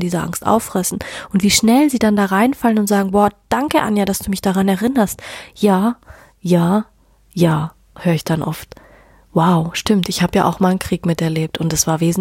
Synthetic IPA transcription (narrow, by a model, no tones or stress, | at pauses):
diːzɐʔa̰ŋstʔa̰ʊfʁ̥ɛsn̩ʔʊntv̥iːʃnɛlziːdandaːʁaɪnfalənʊntz̥aːɡŋ̩bɔːɐd̥aŋkəʔa̰njadasd̥uːmɪçd̥aʁanɛɐʁɪnɐstjaː | jaː | jaː | høːɐɪçd̥anʔɔ̰ft | waʊʃtɪmtɪçhaːbəja̰ːʔa̰ʊxmaɪnənkʁ̥iːkmɪtɛɐleːp̚tʰʊntdasv̥aːɐveːzn̩